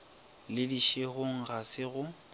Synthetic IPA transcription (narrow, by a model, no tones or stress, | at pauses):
lɪdiʃeɣʊŋ̩ɣasɪɣʊ